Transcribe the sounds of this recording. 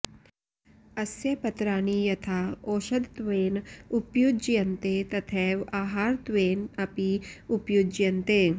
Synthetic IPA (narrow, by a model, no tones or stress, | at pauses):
ɐsjɐpɐt̪ɾaːnijɐt̪ʰaːoːʃɐd̪t̪ʋeːnʊpjud͡ʒjɐnt̪et̪ɐt̪ʰɛːʋaːɦaːɾt̪ʋeːnɐpiʊpjud͡ʒjɐnt̪e